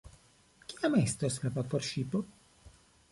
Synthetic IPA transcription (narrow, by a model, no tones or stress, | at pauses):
k̟iamɛst̪osklapafoɾʃiːpo